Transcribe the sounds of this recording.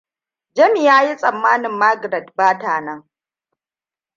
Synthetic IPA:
d͡ʒɐ˦mi˨jaː˦ji˦sʼɐ˨mːaː˦nɪ˨mːaː˦ɡɾɛ˨tbaː˦taː˨nɐ˦ŋ

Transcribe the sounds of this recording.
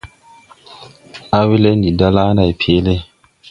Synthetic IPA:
a˦wi˦le˦ndi˨da˦la˦na˨jpʰe˦le˦

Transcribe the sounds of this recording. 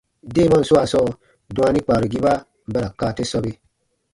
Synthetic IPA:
de˦˨ma˦n̩˨su˦a˨sɔ˦ | dũ˨˦a˦ni˦k͡paː˨ɾi˨ɡi˦ba˦ | m̩˦bɛ˦ɾa˨kaː˨te˦sɔ˦bi˦

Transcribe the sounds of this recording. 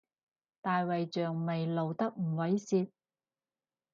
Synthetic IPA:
t̪aː˨jwɐ˨jt͡ʃœː˨ŋme˨jlo˨wt̪ɐ˥k̚m̩˨˩wɐ˨˥jsiː˧t̪̚

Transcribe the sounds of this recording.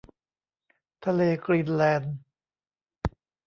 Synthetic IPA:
t̪ʰa˧leː˧kɾiː˧˩nlɛː˧n

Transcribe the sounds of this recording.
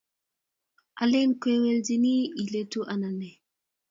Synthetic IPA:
ʔa˨le˦nke˦we˦ld͡ʒi˦ni˦i˨le˦tu˦ʔa˨na˨nɛ˨

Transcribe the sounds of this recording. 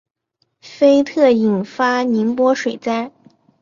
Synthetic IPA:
fe˥ɪt̪ʰɤ˥˩i˨˩nfa˥ni˧˥npwɔ˥ʂwe˨˩ɪt͡sa˥ɪ

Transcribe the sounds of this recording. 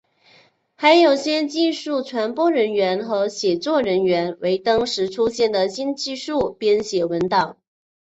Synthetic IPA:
xa˧˥ɪjo˨˩ʊɕjɛ˥t͡ɕi˥˧nʂu˥˩ʈ͡ʂʰwa˧˥npwɔ˥ɻə˧˥nɥɛ˧˥nxɤ˧˥ɕjɛ˨˩t͡swɔ˥˩ɻə˧˥nɥɛ˧˥nwe˧˥ɪt̪ɑ˥ŋʂɻ̩˧˥ʈ͡ʂʰu˥ɕjɛ˥˩nd̪ə˩ɕi˥nt͡ɕi˥˧ʂu˥˩pjɛ˥nɕjɛ˨˩wə˧˥nt̪ɑ˨˩˦

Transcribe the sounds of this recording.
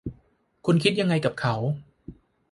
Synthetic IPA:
kʰu˧nkʰi˦˥t̪̚ja˧ŋːa˧jka˨˩p̚kʰa˩˦w

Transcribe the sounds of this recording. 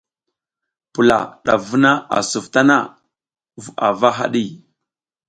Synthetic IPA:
pu˨la̰˨ɗa˨vu˦na˦a̰˨su˨vta˦na˦ | va˨va˦ɦa˦ɗi˦

